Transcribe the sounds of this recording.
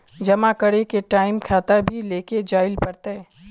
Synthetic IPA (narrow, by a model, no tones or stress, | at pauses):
d͡ʒɐmakəɽekeʈaːɪmkʰaːt̪abʱileːked͡ʒaːɪlpɐɾt̪e